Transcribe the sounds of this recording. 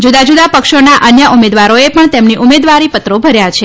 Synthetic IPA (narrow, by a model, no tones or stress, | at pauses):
d͡ʒud̪ad͡ʒud̪apəkʃonaʔənjəʔumed̪ʋaɾoepəɳt̪emniʔumed̪ʋaɾipət̪ɾobʱəɾjat͡ʃʰe